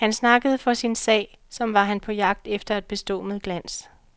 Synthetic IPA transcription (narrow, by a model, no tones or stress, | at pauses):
hænsnɑ̈ɡ̥əð̞̩ˠfɒ̽sinsɛ̰ːɪ | sɒ̽mʋɑ̈ɦænpʰɒ̽jɑ̈ɡ̥̚d̥efd̥ɐæd̥̚b̥e̝sd̥ɔ̰ːməð̩ˠɡ̥læn̰s